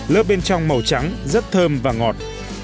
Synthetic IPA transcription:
ləː˦˥p̚ɓe˧nt͡ɕɔ˧wŋ͡mmə˨˩wt͡ɕa˨˦ŋzə˦˥t̚t̪ʰəː˧mvaː˨˩ŋɔ˨˩t̚

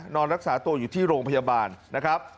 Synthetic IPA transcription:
nɔː˧nɾa˦˥k̚saː˩˦t̪u˧ɐjuː˨˩t̪ʰiː˥˩ɾoː˧ŋpʰa˧jaː˧baː˧nːa˦˥kʰɾa˦˥p̚

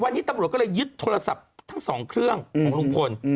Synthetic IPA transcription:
wa˧nːi˦˥t̪a˧mɾu˨˩t̪̚kːɔ˥˩ɤː˧jjɯ˦˥t̪ʰːoː˧la˧sa̰˨˩p̚t̪ʰa˦˥ŋsɔː˩˦ŋkʰɾɯ˥˩əŋkʰɔː˩˦lu˧ŋpʰo˧n

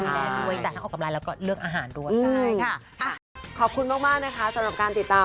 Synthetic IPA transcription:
a˧˩a˧nu˧əjt͡ɕa˨˩t̪̚ʰa˦˥˩oː˨˩ka˧mlaː˧jlɛː˦˥wkɔː˥˩ɾɯ˥˩əkʔaː˧ɦaː˩˦ndu˥˩əjɯː˧a˧˩ | a˨˩kʰɔː˨˩p̚kʰu˧nmaː˥˩k̚maː˥˩k̚na˦˥kʰa˦˥sa˨˩˦ɾa˨˩p̚kaː˧nt̪i˨˩t̪ːaː˧

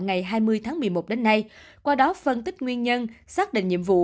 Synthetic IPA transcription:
ŋa˨˩jɦaː˧jmɨ˧əjt̪ʰaː˨˦ŋmɨ˨˩əjmo˨˩t̚ɗe˨˦nːa˧j | kwaː˧ɗɔ˨˦fə˧nt̪ï˦˥k̟̚ŋwi˧ənɲə˧nsaː˦˥ɗḭ̈˧˨ŋ̟ɲḭ˧˨əmvṵ˧˨

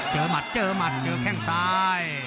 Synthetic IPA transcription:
t͡ɕəː˨˩ma˨˩t̚t͡ɕəː˧˩ma˨˩t̚t͡ɕəː˧˩kʰɛ˧˩ŋsaː˧j

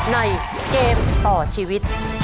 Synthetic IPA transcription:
na˧j | keː˧mt̪ɔː˨˩t͡ɕʰiː˧wi˦˥t̪̚

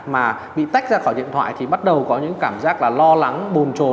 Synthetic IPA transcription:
maː˨˩ | ɓḭ˧˨t̪a˦˥jk̚zaː˧xɔ˧˩jɗḭ˧˨ənt̪ʰwa̰ː˧˨jt̪ʰi˨˩ɓa˦˥t̚ɗə˨˩wkɔ˨˦ɲɨ̰˧˥ŋkaː˧˩mzaː˦˥k̚laː˨˩lɔ˧la˨˦ŋɓo˨˩nt͡ɕo˨˩

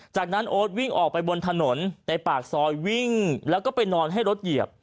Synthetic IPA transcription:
t͡ɕaː˨˩k̚na˦˥nʔoː˦˥t̪̚wi˥˩ŋʔɔː˨˩k̚pa˧jbo˧nt̪ʰa˧no˩˦nt̪ɛ˨˩paː˨˩k̚sɔː˧jwi˥˩ŋlɛː˦˥wkɔː˥˩pa˧jnɔː˧nɦa˥˩jɾo˦˥t̪̚ji˨˩əp̚

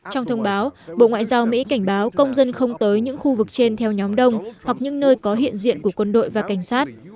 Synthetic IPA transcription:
t͡ɕɔ˧wŋ͡mt̪ʰə˧wŋ͡mɓaː˨˦wɓo̰˧˨ŋwa̰ː˧˨jzaː˧wmḭ˧˥ka˧˩jŋ̟ɓaː˨˦wkə˧wŋ͡mzə˧nxə˧wŋ͡mt̪əː˨˦jɲɨ̰˧˥ŋxu˧vɨ˨˩k̚t͡ɕe˧nt̪ʰɛ˧wɲɔ˨˦mɗə˧wŋ͡mhwa˨˩k̚ɲɨ̰˧˥ŋnəː˧jkɔ˨˦ɦḭ˧˨ənzḭ˧˨ənku˧˩əkwə˧nɗo̰˧˨jvaː˨˩ka˧˩ŋ̟saː˦˥t̚

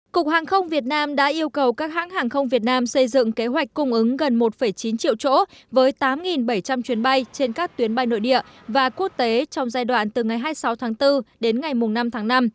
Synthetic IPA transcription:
kʊ˨˩k̚haː˨˩ŋxə˧wŋ͡mvi˨˩ət̚naː˧mɗa̰ː˧˥ʔi˧əwkə˨˩wkaː˦˥k̚ha̰ː˧˥ŋhaː˨˩ŋxə˧wŋ͡mvi˨˩ət̚naː˧msə˧jzɨ̰˧˨ŋke˨˦ɦwa˨˩k̟̚kːʊ˧wŋ͡mʔɨ˨˦ŋɣə˨˩nmo˨˩t̚fə˧˩jt͡ɕi˨˦nt͡ɕḭ˧ə˨wt͡ɕo̰˧˥ | vəː˨˦jt̪aː˨˦mŋi˨˩nɓə˧˩jt͡ɕa˧mt͡ɕwi˨˦ənɓa˧jt͡ɕe˧nkaː˦˥k̚t̪wi˨˦ənɓa˧jno̰˧˨jɗḭ˧˨ə | vaː˨˩ku˦˥ək̚t̪e˨˦t͡ɕɔ˧wŋ͡mzaː˧jɗwa̰ː˧˨nt̪ɨ˨˩ŋa˨˩jɦaː˧jsa˨˦wt̪ʰaː˨˦ŋt̪ɨ˧ɗe˨˦nŋa˨˩jmʊ˨˩ŋ͡mna˧mt̪ʰaː˨˦ŋna˧m

